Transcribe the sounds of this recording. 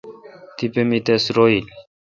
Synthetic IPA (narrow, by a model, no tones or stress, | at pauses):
t̪ipemit̪esɾoilʲ